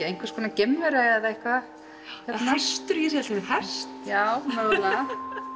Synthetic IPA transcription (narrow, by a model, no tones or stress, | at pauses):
ejŋ̥kvḁskʰɔːnacɛmːvɛɾaaθaehkva | çɛt̪nast̪ʏɾjɛsɛlt̪amɛhɛ̥st̪jaːwmœɣla